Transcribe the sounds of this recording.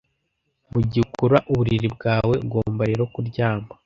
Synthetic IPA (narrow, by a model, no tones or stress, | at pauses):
muɟikuɾaʔuβuɾiɾib̚ɡaːwe̞bɡo̞ːmbaɾeɾokuɾɟaːmba